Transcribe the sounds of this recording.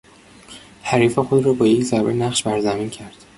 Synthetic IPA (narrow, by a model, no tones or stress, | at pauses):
hæɾiːfexod̪rɒːbɒːje̞czæɾbenæχʃbæɾzæmiːncʰæɾd̪̥